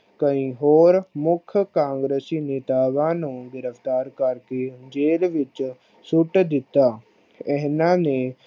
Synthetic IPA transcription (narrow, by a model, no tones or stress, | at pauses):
kəĩːɦoːɾmʊkʰkãːŋɡɾeːsiːneːt̪aːʋãːnũːɡɪɾəpt̪aːɾkəɾkeːd͡ʒeːlʋɪt͡ʃ | sʊʈd̪ɪt̪ːaː | ɛɦnãːneː